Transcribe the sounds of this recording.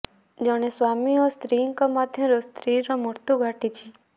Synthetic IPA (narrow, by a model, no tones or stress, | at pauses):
d͡ʒɔɽ̃esʋamiɔst̪ɾiŋkɔmad̪ʱjɔ̃ɾost̪ɾiɾɔmoɾt̪uɡʱaʈit͡ʃʰi